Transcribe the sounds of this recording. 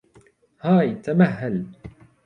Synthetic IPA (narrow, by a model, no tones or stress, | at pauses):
haːjt̪amaɦːal